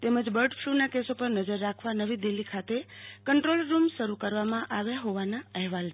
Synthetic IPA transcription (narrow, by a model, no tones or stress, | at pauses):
t̪eməd͡ʒbəɾɖfʰlunakesopəɾnəd͡ʒəɾːakʰʋanəʋid̪ilːikʰat̪ekəɳʈɾolɾumʃəɾukəɾʋamãʔaʋeɦoʋanaəɦʋal